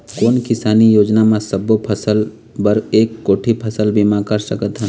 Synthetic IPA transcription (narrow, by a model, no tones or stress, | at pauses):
koːnkɪsaːnijoːd͡ʒnamãsɐbopʰəsəl | bəɾeːkːoːʈʰipʰɐsəlbʱimãkəɾsəkət̪ɦə